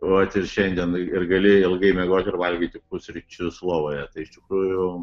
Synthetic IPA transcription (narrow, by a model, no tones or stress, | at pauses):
ʋɐt̪ʲɪrʃʲɛnʲd̪ʲiɛnɪrɡɐlʲɪɪlˠɡɐɪmʲɛɡoːt̪ʲɪɾʋɐlʲɡʲiːt̪ʲɪkʊsʲɾʲɪt͡ʃʲʊslˠoːʋoːjɛt̪ɐɪɪʃt̪ʲɪkɾuːjʊ